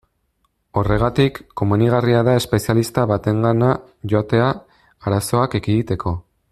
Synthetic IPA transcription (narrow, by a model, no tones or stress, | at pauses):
o̞re̞ɣ̞at̪ikːo̞muniɣ̞ariaðae̞spe̞sialist̪aβat̪e̞ŋɡana | ʝo̞at̪e̞a | aɾaso̞akekiɣit̪e̞kʰo̞